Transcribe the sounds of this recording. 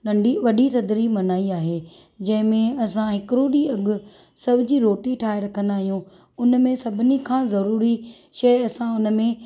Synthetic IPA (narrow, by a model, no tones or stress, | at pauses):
nɐ̃ɳɖiʋɐɗit̪ɐd̪ɾimɐnaːiaːɦeː | d͡ʑɐ̃ɦɪ̃mẽɐsãɦɪkɾoɗiɐɡʊ̆ | sɐbʱɪd͡ʑiɾoːʈiʈʰaːɦeɾɐkʰə̃nd̪aːɦijũ | ʊnmẽsɐbʱɪnikʰãːzɐɾuːɾi | ʃɐjɐsãʊnmẽ